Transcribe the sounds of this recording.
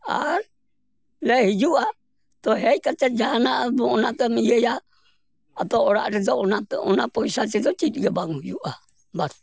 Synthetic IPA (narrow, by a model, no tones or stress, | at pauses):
a̰ɾ | lɛhid͡ʒua | t̪ɔɦɛkat͡ʃad͡ʒaɦanabɔɔnat̪ɛmijɛjaː | t̪ɔːɾa̰ʔɾɛd͡ʒɔnat̪ɔnapɔisat͡ʃɛd͡ʒɔt͡ʃit̪ɡabaŋujuʔa | bas